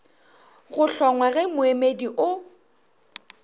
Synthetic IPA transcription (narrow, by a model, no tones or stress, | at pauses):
ɣʊɬɔŋwaɣɛmʊemediʔʊ